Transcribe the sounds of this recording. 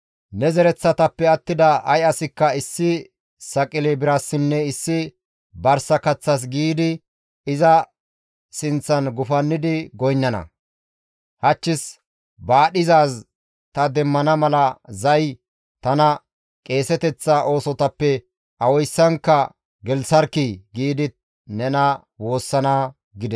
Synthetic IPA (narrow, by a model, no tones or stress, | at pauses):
nɛzɛɾɛt͡sːɐt̪ɐpːɛɐt̪ːɪd̪ɐʔɐjɐsɪkːɐɪsːɪ | sɐkʼɪlɛbɪɾɐsːɪnːɛɪsːɪ | bɐɾsɐkɐt͡sːɐs̬ɡiːd̪ɪ | ɪzɐ | sɪnt͡sːɐnɡʊfɐnːɪd̪ɪɡɔjnːɐnɐ̰ | hɐt͡ʃːɪs | baːɗɪzaːs | t̪ɐd̪ɛmːɐnɐmɐlɐzɐj | t̪ɐnɐ | kʼe̞ːsɛt̪ɛt͡sːɐʔo̞ːsɔt̪ɐpːɛ | ɐwɔjsːɐŋkːɐ | ɡɛlsɐɾkɪɡiːd̪ɪ | nɛnɐ | wo̞ːsːɐnaː | ɡɪd̪ɛs